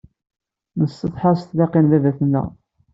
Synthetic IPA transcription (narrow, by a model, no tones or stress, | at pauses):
nəsːəθˤħɑɾst̪lɑqinðæðæθənːæ̰